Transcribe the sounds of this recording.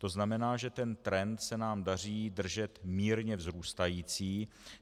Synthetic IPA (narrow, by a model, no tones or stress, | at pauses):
t̪o̞znamɛnaːʒɛt̪ɛnt̪ɾɛnt̪sɛnaːmdariːd̪r̩ʒɛt̪miːɾɲɛvzɾuːst̪ajiːt͡siː